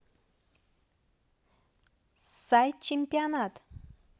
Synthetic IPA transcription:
sajt͡ɕempʲijanat̪

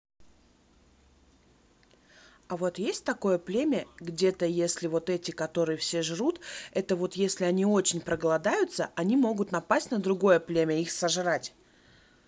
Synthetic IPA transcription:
ɐvo̞t̪jesʲt̚ʲt̪ɐko̞jəplʲemʲəɡdʲe̞t̪əjesʲlʲɪvo̞t̪ɛtʲɪkɐt̪o̞ɾɨjəfsʲe̞ʐɾut̪ɛt̪əvo̞t̪jesʲlʲɪɐnʲio̞t͡ɕɪnʲpɾəɡəlˠɐd̪ajʊt̪səʔɐnʲimo̞ɡʊt̪nɐpasʲtʲnəd̪ɾʊɡo̞jəplʲemʲəixsɐʐɨɾatʲ

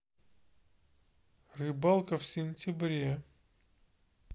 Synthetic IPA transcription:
rɨbalˠkəfsʲɪnʲtʲɪbɾʲe

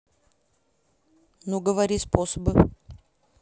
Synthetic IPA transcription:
nuɡəvɐɾʲisposəbɨ

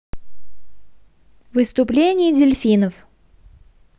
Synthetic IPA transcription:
vɨst̪ʊplʲenʲɪjədʲɪlʲfʲinəf

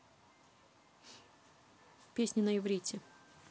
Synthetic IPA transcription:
pʲesʲnʲɪnəjɪvɾʲitʲɪ

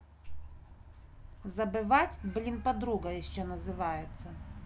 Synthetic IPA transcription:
zɐbɪʋatʲblʲinpɐd̪ɾuɡɐjɪʃt͡ʃɛnɐzɪʋajet̪sːɐ

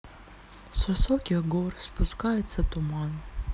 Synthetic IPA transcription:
sasokʲiɡorspuskajɛt͡sʰːɐtʼuman

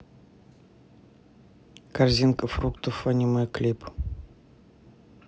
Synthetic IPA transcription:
karzʲinkəfrukt̪ufanʲimaklʲip

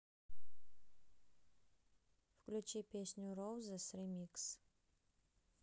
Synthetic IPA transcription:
fklʲut͡ɕipʲesʲnʲʊrowzəsrʲemʲiks

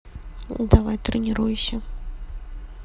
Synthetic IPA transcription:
d̪avajt̪ɾɨnʲiɾujɪsʲɐ

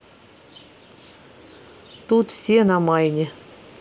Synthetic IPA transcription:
t̪ut̪fsʲenɑmɑjnʲɪ

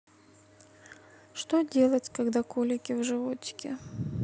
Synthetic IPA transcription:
ʂt̪odʲe̞lˠətʲkɐɡd̪akolʲɪkʲɪvʐɨvot͡ɕɪ̥kʲɪ

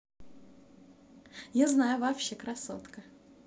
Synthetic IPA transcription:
jaznajʊvapɕːekɾɐsot̪kə

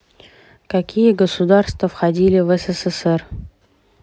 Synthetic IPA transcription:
kɐkʲijəɡəsʊd̪arst̪vəfxɐdʲilʲɪvɛsɛsɛsɛr

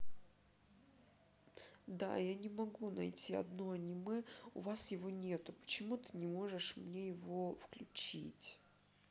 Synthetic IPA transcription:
d̪a̰janʲɪmɐɡunɐ̰jtʲiɐ̰d̪noɐnʲɪmɛʊ̰vasjɪvo̞nʲe̞t̪ʊpə̥t͡ɕɪmut̪ɨnʲɪmo̞ʐɨʂmnʲe̞jɪvo̞fklʲʉ̰t͡ɕḭtʲ

